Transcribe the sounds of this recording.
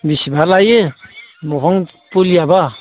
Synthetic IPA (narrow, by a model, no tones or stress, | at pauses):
bisibalajɯmɔɦɔŋ | puliaba